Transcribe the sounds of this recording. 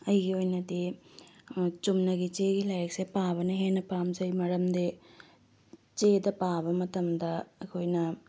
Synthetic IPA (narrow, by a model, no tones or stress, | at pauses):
ɐjɡiojnɐt̪i | t͡ʃumnɐɡit͡ʃeːɡilɐjksepaːʋɐnɐɦeːnɐpaːmsɐjmɐɽɐmd̪e | t͡ʃeːd̪ɐpaːʋɐmɐt̪ɐmd̪ɐkojnɐ